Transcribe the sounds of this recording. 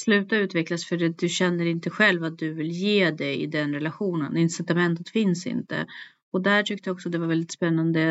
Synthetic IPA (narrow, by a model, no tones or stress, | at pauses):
slʉ̟ːt̪aʉ̟t̪vɛklasfœɖɛd̪ɵɕɛnːəɾɪnt̪əɧɛlvat̪̚d̪ɵvɪljeːd̪ɛɪ̰d̪ɛnɾɛlaɧuːnə̰nɪnsɪt̪amɛnt̪ət̪fɪnsɪ̰nt̪ə̰ | ɔd̪æʈʰʏk̚t̪əjaɔksɔt̪d̪ɛvaɾvɛld̪ɪt̪spɛnːand̪ə